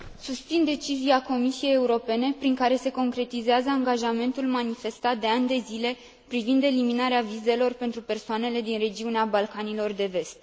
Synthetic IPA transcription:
sust̪sind̪e̞t͡ʃiziako̞misie̞je̞uɾo̞pe̞ne̞pɾiŋkaɾe̞se̞ko̞ŋkɾe̞t̪izeazəaŋɡaʒame̞nt̪ulmanife̞st̪at̪̚d̪e̞anʲd̪e̞zile̞ | pɾivind̪e̞liminaɾeavize̞lo̞rpe̞nt̪ɾupe̞rsoane̞le̞d̪inre̞d͡ʒiuneabalkanilo̞rd̪e̞ve̞st̪

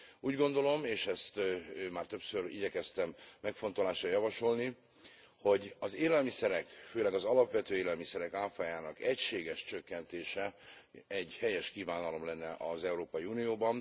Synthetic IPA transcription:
uːɟɡo̞nd̪o̞lo̞meːʃɛst̪ːmaːrt̪ø̞psøɾḭɟɛkɛst̪ɛmːɛkfo̞nt̪o̞laːʃrɒjɒvɒʃo̞lni | ho̞ɟɒzeːlɛlmisɛɾɛkføːlɛɡɒzɒlɒpʋɛt̪øːeːlɛlmisɛɾɛkaːfaːjaːnɒkɛcʃeːɡɛʃt͡ʃøkːɛnt̪eːʃɛɛɟhɛjɛʃkiːvaːnɒlo̞mlɛnːɛʔɒzɛuɾoːpɒjiuːnijoːbɒn

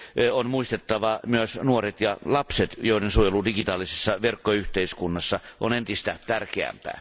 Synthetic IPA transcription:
onmuist̪et̪ːɑʋɑmyøsnuoret̪jɑlɑpset̪joˑidensuojeludiɡit̪ɑːlisesːɑʋerkːoyht̪eiskunːɑsːɑʔonent̪ist̪æt̪ærkeæ̰mpæ̰ː

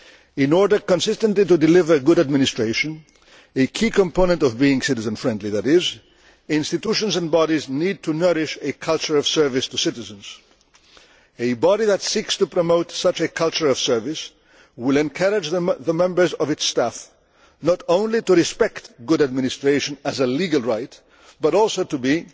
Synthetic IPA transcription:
ɪ̃nɔɹdə˞kɔ̃nsɪstə̃ntlitudɪlɪvə˞ɡʊɾad̚mɪ̃nɪstɹeɪʃə̃n | ekʰikɔ̃mpõnə̃ntɔvbiɪ̃ŋsɪɾɨzə̃nfɹɛ̃ndˡliðæɾɪz | ɪ̃nstit̪uʃɔ̃nzɛ̃nbɑɾiznid̚tʰunɜɾɪʃekʰʌlˠt͡ʃəɹɔv̥sɜ˞vɪstusɪtɪzə̃nz̥ | ebɑɾiðətsikstupɹɔmoʊtsʌt͡ʃekʰʌlˠt͡ʃə˞ɔv̥sɜ˞vɪs | wɪlɛ̃nkʰəɾɪd͡ʒððəmɛ̃mbə˞zɔvɨtstæf | nɔɾõʊ̃nlituɹispɛktɡʊɾəd̚mɪ̃nɪstɹeɪʃə̃nəzəliɡəlˠɹaɪt̚ | b̥ʌɾɔlˠsoʊtubi

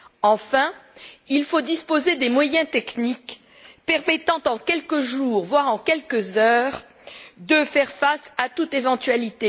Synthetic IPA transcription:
ɑ̃fɛ̃ilfod̪ispozed̪emwajɛ̃t̪ɛknik | pɛʁmɛt̪ɑ̃t̪ɑ̃kʲɛlkəʒuːʁvwaʁɑ̃kʲɛlkəzœːʁ | d̪əfɛʁfasat̪ut̪evɑ̃t̪ɥalit̪e

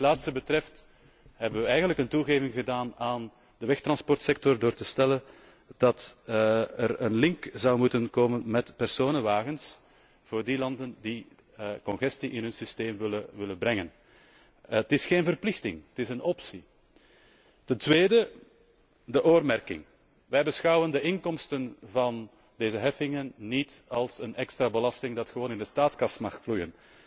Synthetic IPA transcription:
tlaːt̪stəbətrɛft | ɦɛbənʋəɛjɣəndləkəntuɣeːvɪŋɣədaːnaːn | dəʋɛxt̪rɑnspɔrtsɛk̚tɔrdoːrtəstɛlən | d̥ɑt | ərənlɪŋkzɑwmutənkoːmənmɛtpɛrsoːnənʋaːɣəns | v̥oːrdilɑndəndi | kɔnɣɛstiʔɪnɦɵnsisteːmʋɪləʋɪlənbɾɛŋən | ətɪsxeːnvərplɪxtɪ̰ŋətɪsənɔpsi | tɛntʋeːdə | dəʔoːrmɛrkɪ̰ŋ | ʋɛjbəsxɑwəndəʔɪŋkɔmstənvɑn | deːzəɦɛfɪŋənːitɑlˠsənɛkstraːbəlɑstɪŋdɑtxəʋoːnɪndəstaːtskɑsmɑxflujən

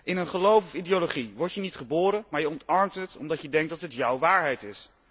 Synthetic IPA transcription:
ʔɪnənχəlowfɔfidioloχiʋɔɹtjənitχəboːɾənmaːɹjəɔntɑɹmtɦətɔ̰mdɑtjədɛŋk̚dɑtɦətjʌwʋaːɹɦɛjtɪs

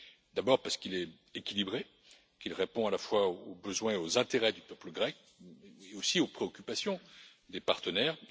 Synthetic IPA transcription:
d̪abɔʁpaʁsə̥kilɛ | ekʲilibʁe | kilʁepɔ̃alafwaobəzwɛ̃eozɛ̃t̪eʁɛd̪ypœpləɡʁɛk | eosiopχeɔkʲypasjɔ̃ | d̪epaʁt̪ənɛːʁ

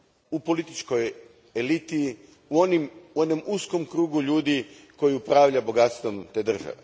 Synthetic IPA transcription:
upo̞lit̪it͡ʃko̞j | e̞lit̪i | uonimuonomusko̞mkɾuːɡuʎuːd̪iko̞jiupɾaːʋʎabo̞ɡat̪st̪ʋo̞mt̪eːd̪r̩ʒa̰ʋe

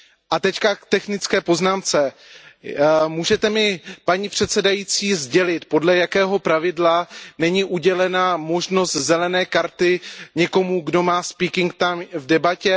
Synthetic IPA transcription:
ʔat̪ɛckakt̪ɛxnɪt͡skɛːpo̞znaːmt͡sɛ | muːʒɛt̪ɛmɪpaɲipr̝̥ɛt̪sɛdajiːt͡siːzɟɛlɪt̪po̞dlɛjakɛːɦo̞pɾavɪdlanɛɲiːʔuɟɛlɛnamo̞ʒno̞st̪zɛlɛnɛːkaɾt̪ɪɲɛko̞muɡdo̞maːspiːkɪŋk̚t̪amvdɛbacɛ

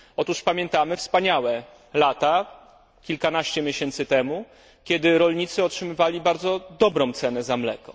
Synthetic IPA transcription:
ɔt̪uʂpamʲjɛnt̪amɘfspaɲawɛ | lat̪a | kʲilkanaɕt͡ɕɛmʲjeɕɛnt̪sɘt̪ɛmu | kʲɛd̪ɘɾɔlɲit̪sɘɔtʂɘmɘvalʲibaɾd̪zɔd̪ɔbɾɔ̃w̃t̪sɛnɛzamlɛ̰kɔ

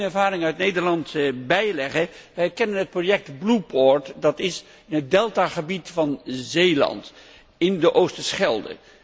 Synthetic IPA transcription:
nɛɹvaːɾɪŋœɥtnejdəɹlɑntbɛjlɛχəʋɛjɛkɛnənɦət̚projɛk̚tblupɔɹtdɑtɪs | ɪnɦət̚dɛlˠtaχəbitfɑnzejlɑ̰nt | ɪndəʔowstəsχɛlˠdə̰

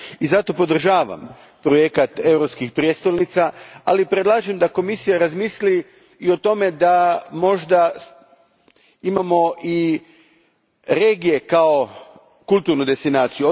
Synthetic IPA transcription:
izat̪o̞po̞d̪r̩ʒaːʋa̰m | pɾo̞jekat̪e̞wɾopskixpɾjest̪olnit̪saalipɾed̪lˠaːʒemd̪ako̞misijaɾazmisliː | o̞t̪o̞me̞d̪amo̞ʒd̪a | imamo̞ʔi | ɾe̞ːɡije̞kao̞ | kulˠt̪uɾnud̪e̞st̪inaːt̪siju

